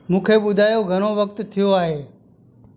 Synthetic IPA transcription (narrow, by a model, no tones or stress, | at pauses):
mũːkʰeːɓʊd̪ʱaːjoɡʱəɽ̃oʋəkt̪t̪ʰɪjoaːɦeː